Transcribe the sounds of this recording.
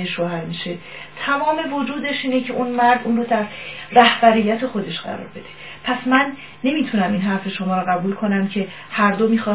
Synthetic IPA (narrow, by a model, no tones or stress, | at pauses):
eʃohæɾmiːʃe̞ | t̪ʰæmɒːme̞vod͡ʒuːd̪e̞ʃiːne̞cʰe̞ʔunmæɾd̪uːnroːd̪æɾræhbæɾijːæt̪ʰe̞xo̞d̪e̞ʃɢæ̰ɾɒ̰ːɾbe̞d̪e̞̥ | pʰæsmænː | e̞miːt̪ʰunæmiːnɦæɾfe̞ʃo̞mɒːɾoɣæbuːlkʰo̞næmcʰe̞ | hæɾd̪omiːxɒː